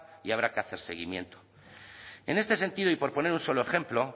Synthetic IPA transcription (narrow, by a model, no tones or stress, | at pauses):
iaβ̞ɾakeaθe̞ɾse̞̰ɣ̞ḭmjẽ̞̰nt̪o̥ | e̞̰ne̞st̪e̞s̬e̞nt̪ið̞oipo̞ɾpo̞ne̞ɾunso̞loe̞xe̞mplo̞